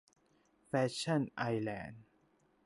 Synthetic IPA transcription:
fɛː˦˧˥ɕʰa˥˩nʔa˧jlɛː˧˩n

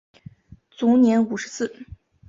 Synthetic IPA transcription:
t͡su˧˥njɛ˧˥nu˨˩ʂɻ̩˧˥sɹ̩˥˩

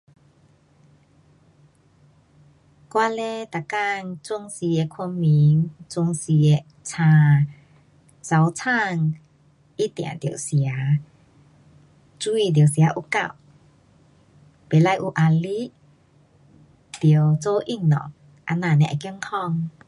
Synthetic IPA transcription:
kwaː˧lɛ˧˥t̪a˨˩ka˧˨ŋt͡su˧ŋsi˧e˧˨kʰu˧mi˨˦ŋt͡su˧ŋsi˧e˧˨ | t͡sʰãː˧ | t͡sa˨˦wt͡sʰa˥˧˨ŋ | ʔi˦˥t̪ɛ̰˨nd̪i˨˩ə˦wsja˦ | t͡swu˧i˧˨d̪i˨˩ə˨wsja˨˧˦ʔu˧ka̰˧˨w | pe˨˦la˧˨jʔu˧˩ʔa˧li˦˥ʔ | d̪̥i˨˩ə˦wt͡so˧ʔi˧˨ŋnɔ̰˨˩˨ŋ̚ | ʔa˧nãː˧˩˨nɛ̰˧ʔa̰˨˩ki˧ə˧ŋkʰɔ˧˨ŋ

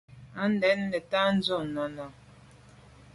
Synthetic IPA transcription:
a˨˦n̩˦dɛ˨˦nː˦ɛ˨ta˦n̩˦zo˦˨nɔ˨nɔ˨

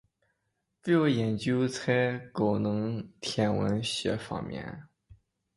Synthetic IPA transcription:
fe˥˩jo˧˥jɛ˨˩nt͡ɕjo˥t͡sʰa˥ɪko˨˩ʊnɤ˧˥ŋt̪ʰjɛ˧˥nwə̰˧˥nɕɥɛ̰˧˥fɑ̰˨˧˩ŋmjɛ̰˧˥n

